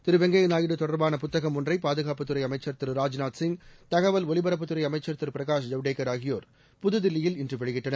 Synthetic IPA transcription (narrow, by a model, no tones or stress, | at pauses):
t̪ɪɾɯʋɛŋɡɐjnaːjɪɽɯt̪ɔɽɐɾbaːnɐpʊt̪ːɐɣɐmːʊndrɐɪpaːðɯɣaːpːɯt̪ːɯɾɐɪɐmɐɪt͡ʃːɐɾt̪ɪɾɾaːd͡ʒnaːʈ̪sɪŋɡt̪ɐɣɐʋɐlɔlɪbɐɾɐpːɯt̪ːɯɾɐɪɐmɐɪt͡ʃːɐɾt̪ɪɾpɪɾɐɣaːʂd͡ʒɐʋɖeːkːɐɾaːɣɪjoːɾ | pʊðɯðɪlːɪjɪlɪndrɯʋɛɭɪɣɪʈrɐnɐ